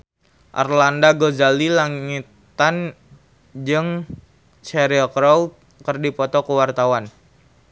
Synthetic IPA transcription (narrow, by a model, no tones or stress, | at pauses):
ʔa̰rlandaɡozalilaŋit̪an | d͡ʒɨŋ | t͡ʃɛɾiɔkɾaw̚ | kərdipɔt̪ɔkəwart̪awan